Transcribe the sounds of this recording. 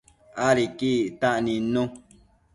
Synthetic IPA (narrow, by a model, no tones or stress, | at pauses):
aɾikiʔʔt̪aʔnĩnũ